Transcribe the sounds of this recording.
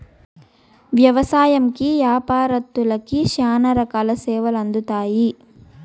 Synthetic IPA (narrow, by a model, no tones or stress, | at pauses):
ʋjɐʋɐsaːjɐmkijaːpaːɾɐt̪ːulɐkːiʃaːnɐɾɐkɐlɐseːʋɐlɐnd̪ut̪aːji